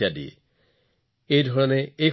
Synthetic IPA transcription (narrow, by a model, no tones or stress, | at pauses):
adiɛ̰ | ejdʱɔɹɔnɛej